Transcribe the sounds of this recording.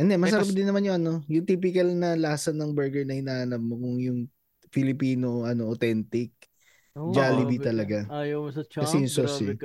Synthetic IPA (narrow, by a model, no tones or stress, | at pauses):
ʔɛnd̪ɛmɐsɐɾap̚d̪ɪnːɐmanjʊŋʔɐno̞jʊŋt̪iːp̬ɪkɐlnɐlaːsɐnːɐŋbɛɹɡɛɹnɐhɪnaːhɐnɐp̚mokʊŋjʊŋ | fɪlɪpiːnoʔɐno̞ʔot̪ɛnt̪ɪk̚ | d͡ʒaːlɪbit̪ɐlɐɡa | ɐsɛjʊŋsosi